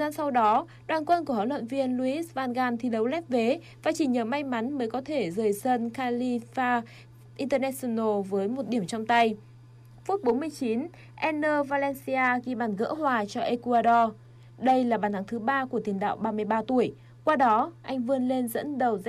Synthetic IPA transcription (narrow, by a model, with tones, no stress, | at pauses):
zaː˧nsa˧wɗɔ˨˦ | ɗwaː˨˩nkwə˧nku˧˩əha̰ː˧˩lwə̰˧˨nvi˧ənlu˧ʔi˦˥svaː˧nɣaː˧nt̪ʰi˨˩ɗə˨˦wlɛ˦˥p̚ve˨˦ | vaː˨˩t͡ɕi˧˩ɲəː˨˩ma˧jma˨˦nməː˨˦jkɔ˨˦t̪ʰe˧˩zəː˨˩jsə˧nxaː˧li˧faː˧ | ʔi˧nt̪əː˧nɛ˧˥si˧no˧vəː˨˦jmo˨˩t̚ɗi˧˩əmt͡ɕɔ˧wŋ͡mt̪a˧j | fu˦˥t̚ɓo˨˦nmɨ˧əjt͡ɕi˨˦n | ʔɛ˧nːəː˧vaː˧lɛ˧nsi˧aː˧ɣi˧˩ɓaː˨˩nɣə̰ː˧˥hwaː˨˩t͡ɕɔ˧ʔe˧ku˧aː˧ɗɔ˧ | ɗə˧jlaː˨˩ɓaː˨˩nt̪ʰa˨˦ŋt̪ʰɨ˨˦ɓaː˧ku˧˩ət̪i˨˩ŋɗa̰ː˧˨wɓaː˧mɨ˧əjɓaː˧t̪u˧˩əj | kwaː˧ɗɔ˨˦ʔa˧jŋ̟vɨ˧ənle˧nzə̰˧˥nɗə˨˩wz